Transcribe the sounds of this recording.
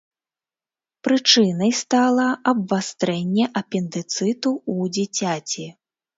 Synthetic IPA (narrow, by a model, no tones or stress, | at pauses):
pɾɨt͡ʂɨnɐjst̪alˠɐɐbvast̪ɾɛnʲːɛʔɐpʲɛnd̪ɨt̪sɨt̪uud͡zʲit͡sʲat͡sʲi